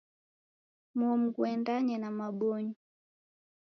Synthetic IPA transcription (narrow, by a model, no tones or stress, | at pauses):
mɔm̩kuɛndaɲɛnamaɓɔɲɔ